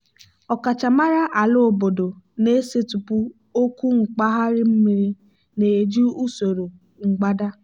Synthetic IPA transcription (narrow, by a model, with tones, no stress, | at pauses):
ɔ˨ka˨t͡ʃa˨ma˦ɾa˦ʔa˨lʊ˦o˨bo˨do˨ne˦se˦tu˨pu˦ | o˦ku˦ŋ̩˨k͡pa˦ɦa˦ɾɪ˦m̩˦mi˨ɾi˦ | ne˨d͡ʒu˦u˦so˨ɾo˨ | ŋ̩˨ɡ͡ba˦da˦